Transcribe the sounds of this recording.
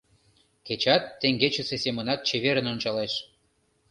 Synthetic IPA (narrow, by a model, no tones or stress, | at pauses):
ket͡ɕɑt̪ːeŋɡet͡ɕə̆sesemənɑt̪̚t͡ɕeβeɾə̆nont͡ɕɑleʃ